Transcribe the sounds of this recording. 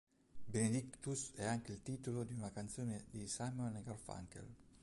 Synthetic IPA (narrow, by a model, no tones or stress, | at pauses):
bened̪ikt̪usɛaŋk̟eilt̪iːt̪olod̪iunakant̪soːned̪isajmoneɡarfa̰ŋkḛl